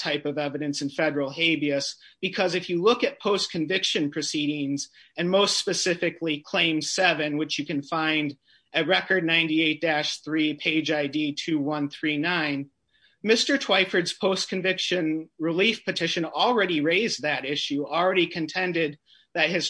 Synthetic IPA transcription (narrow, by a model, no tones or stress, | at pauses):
tʰaɪpʌvɛvɨɾɨ̃nsɨ̃n̩fɛɾə˞l̩ˠheɪbiɨsb̥ɨkʰʌzɨfjɨlʊkɨt̚pʰoʊskʰɨ̃ɱvɪkʃɨ̃npʰɹ̥ɨsiɾɪ̃ŋz | ɨ̃nmoʊstspɨsɪfɨklikʰl̥ẽɪ̃msɛvɨ̃nwɨt͡ʃjɨkɨ̃nfãɪ̃nd | ɨt̚ɹɛkə˞dⁿnãɪ̃ntieɪt̚d̥æʃθɹipʰeɪd͡ʒaɪditʰʉwʌ̃nθɹinãɪ̃n | mɪstə˞tʰw̥aɪfə˞dz̥pʰoʊskʰɨ̃ɱvɪkʃɨ̃nɹilifpʰɨtʰɪʃɨ̃nl̩ˠɹɛɾiɹeɪzðɨɾɪʃʉl̩ˠɹɛɾikʰɨ̃ntʰɛ̃ndɪd̪̚ | ðɨt̚hɨz̥